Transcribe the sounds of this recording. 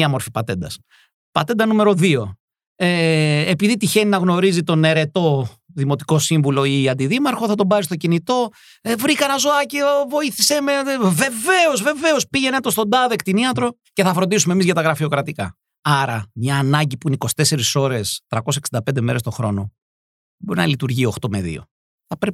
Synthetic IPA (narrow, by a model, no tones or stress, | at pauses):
ɐmo̞ɾfipɐt̪e̞nd̪ɐs | pɐt̪e̞nd̪ɐnume̞ɾo̞ðio̞ | eepiðit̪içe̞ninɐɣno̞ɾizit̪o̞ne̞ɾe̞t̪o̞ðimo̞t̪i̥ko̞siɱvulo̞iɐnd̪iðimɐɾxo̞θɐt̪o̞bɐzist̪o̞cinit̪o̞ | vɾikɐnɐzo̞ɐciovo̞iθise̞meve̞ve̞o̞zve̞ve̞o̞spiʝenet̪ost̪o̞nd̪ɐðekt̪iniɐt̪ɾo̞ | ce̞θɐfɾond̪isumemizʝɐt̪ɐɣɾɐfio̞kɾɐt̪ikɐ̰ | ɐɾɐmɲɐːnɐɲɟipuineiko̞si̥t̪e̞se̞ɾiso̞ɾe̞st̪ɾɐkosse̥ksind̪ɐpend̪eme̞ɾe̞st̪o̞xɾo̞̰no̞ | boɾinɐ̰lit̪uɾʝio̞xt̪o̞me̞̰ðḭo̰ | θɐpɾep